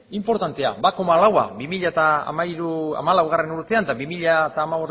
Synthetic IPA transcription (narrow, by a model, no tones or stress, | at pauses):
impo̞ɾt̪ant̪e̞a̰bako̞malawa̰bimiʎat̪a̰ːmaiɾua̰malawɣ̞are̞nuɾt̪e̞and̪aβimiʎat̪aːmaβos